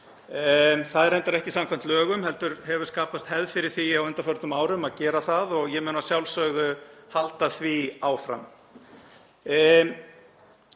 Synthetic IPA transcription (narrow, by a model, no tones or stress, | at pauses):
θaðɛɾejnt̪aɾɛhcɪsamkʰam̥t̪lœːɣʏmhɛlt̪ʏɾhɛvʏɾskaːpast̪hɛðfɪɾɪɾ̥θiawʏnt̪afœɾt̪nʏmaːwɾʏmaðcɛːɾaθaðɔɣjɛmœːnnasjawlsœɣðʏhalt̪aθviaːwfɾa̰m